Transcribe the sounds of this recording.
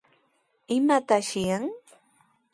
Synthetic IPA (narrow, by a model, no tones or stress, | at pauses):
ɪmat̪aʃɪjaŋ